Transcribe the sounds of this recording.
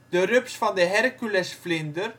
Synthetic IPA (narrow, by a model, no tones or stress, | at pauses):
t̪œɾʏpsfant̪ɪɦɛɾcʏlɛsflɪnt̪ʏɾ̥